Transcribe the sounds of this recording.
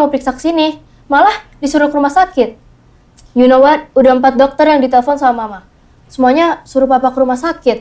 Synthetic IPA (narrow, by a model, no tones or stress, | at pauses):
məpəɾiksakə̥sini | malahdisuɾʊkəɾumahsakɪt̪̚ | junowad̚udampat̪̚dɔk̚t̪ərjaŋdit̪eləfɔnsamama | səmuaɲasuɾʊpapakəɾumahsakɪt̪̚